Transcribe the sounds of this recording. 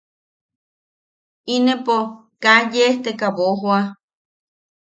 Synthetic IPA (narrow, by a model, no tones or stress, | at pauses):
inepo | kajeht̪ekaβoɦwa